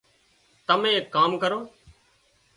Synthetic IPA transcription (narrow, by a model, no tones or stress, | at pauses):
t̪əmẽːkːaːmkəɾoː